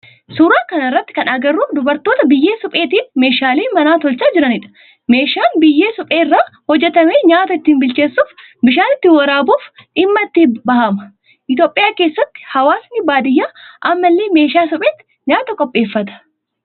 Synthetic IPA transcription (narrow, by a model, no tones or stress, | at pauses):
suːɾaːkɐnɐɪrːɐt̪ːɪ̥kɐnɐɡɐrːuːd̪ʊbɐɾt̪o̞ːt̪ɐbɪjːe̞ːsʊpʼe̞ːt̪iːnme̞ːʃaːleːmɐnaːt̪ɔlt͡ʃaːd͡ʒɪɾɐnɪᶑɐ̥ | me̞ːʃaːnbɪjːe̞ːsʊpʼeːɪrːaːhɔd͡ʒːɛt̪ɐmeːɲaːt̪ɐɪt̪ːiːnbɪlt͡ʃe̞ːsːuːf | bɪʃaːnɪt̪ːɪwɐɾaːbuːfᶑɪmːɐt̪ːibɐhɐmɐ | ʔɪt̪jo̞ːpʼɪjaːkeːsːɐt̪ːɪ̥hɐwaːsnɪbaːd̪ɪjːaːʔɐmːɐlːeːme̞ːʃaːsʊpʼeːt̪ːɪ̥ | ɲaːt̪ɐkʼɔpʼːe̞ːfːɐt̪ɐ̥